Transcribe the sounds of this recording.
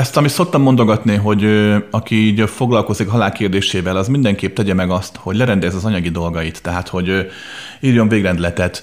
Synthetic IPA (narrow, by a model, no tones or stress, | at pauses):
ɛst̪ɒmit̪so̞k̚t̪ɒmːo̞nd̪o̞ɡɒt̪niɦo̞ɟøɒkiiːɟfo̞ɡlɒlko̞zikɦɒlaːlkeːrd̪eːʃeːvɛlɒzmind̪ɛŋkeːp̚t̪ɛɟɛmɛɡɒst̪ho̞ɟlɛɾɛnd̪ɛzɒzɒɲɒɡid̪o̞lɡɒjit̪ːɛɦaːt̪ho̞ɟ | iːrjo̞ɱveːɡrɛnd̪lɛt̪ɛt̪